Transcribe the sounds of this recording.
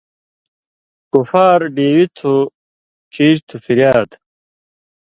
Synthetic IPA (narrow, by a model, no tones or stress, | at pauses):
kufaːɾɖeːwit̪ʰu | kʰiːɾt̪ʰufiɾjaːt̪